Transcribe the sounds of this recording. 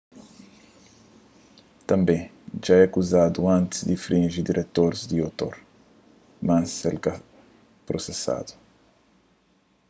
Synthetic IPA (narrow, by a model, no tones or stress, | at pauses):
t̪ɐ̃mbẽj̃ | ʒaɛɐkuzad̪uɐ̃nt̪zd̪ifɾĩʒid̪iɾʔet̪oɾzd̪iot̪o̰ɾ | mɐ̃selka | pɾosesa̰d̪u̥